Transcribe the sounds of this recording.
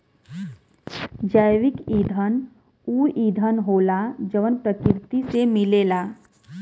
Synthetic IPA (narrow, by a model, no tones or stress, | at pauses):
d͡ʒaːjʋɪkiːd̪ʱən | uːiːd̪ʱənɦoːlad͡ʒəʋənpɾəkɪɾt̪isemɪleːlaː